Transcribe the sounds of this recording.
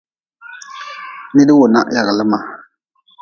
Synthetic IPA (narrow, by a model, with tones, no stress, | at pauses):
nɪ˦dɨ˦wʊ˨na̰˦ʔja˨ɣɪ˨lɨ˦ma˨